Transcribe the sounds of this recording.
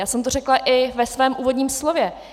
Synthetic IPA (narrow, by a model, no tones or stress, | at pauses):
jaːsɛmt̪orɛklaʔɪvɛsvɛːmʔuːvo̞dɲiːmslo̞vjɛ